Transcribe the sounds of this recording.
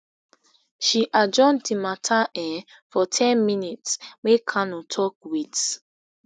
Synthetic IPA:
ʃiʔad͡ʒɔ̃ntimatʰaɛ | fɔtʰɛ̃nminitsmekʰanutʰɔk̚wit

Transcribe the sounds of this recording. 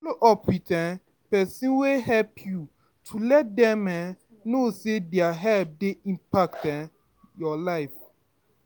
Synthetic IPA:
fɔloʔɔpwitɛ | pɛsĩnweɦɛlpʰju | tʰulɛt̚dɛmɛ | nosedɛaɦɛlp̚deĩmpak̚tɛ | jɔlaɪf

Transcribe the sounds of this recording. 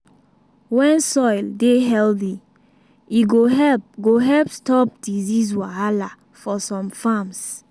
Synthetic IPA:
wɛ̃nsɔjldeɦɛlθi | iɡoɛɡoɦɛlpstɔp̚dizis̬waala | fɔsɔ̃mfams

